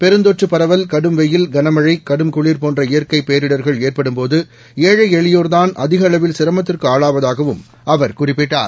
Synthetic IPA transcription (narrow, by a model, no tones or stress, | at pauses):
pɛɾɯnd̪oʈrɯpɐɾɐʋɐlkɐɽɯmʋɛjɪlɡɐnɐmɐɻɐɪkɐɽɯmkʊɭiːɾpoːndrɐɪjɐɾkɐɪpeːɾɪɽɐɾɣɐɭeːrpɐɽɯmpoːðɯ | eːɻɐɪɛɭɪjoːɾt̪aːnɐðɪɣɐɐɭɐʋɪlsɪɾɐmɐt̪̬ːɪrkɯaːɻaːʋɐðaːɣɐʋɯm | ɐʋɐɾkʊrɪpːɪʈːa̰ːɾ